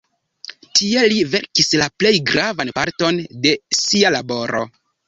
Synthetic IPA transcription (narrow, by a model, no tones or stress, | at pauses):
tie̞live̞ɾkislaple̞jɡɾavanpaɾto̞nde̞sialabo̞ɾʔo̞̰